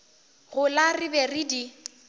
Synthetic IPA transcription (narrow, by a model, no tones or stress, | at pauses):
ɣʊlarɪbɛridi